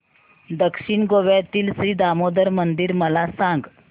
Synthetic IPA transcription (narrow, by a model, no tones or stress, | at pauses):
d̪əkʂiɳɡoʋjat̪iːlsɾiːd̪amod̪əɾmənd̪iɾməlasãŋɡ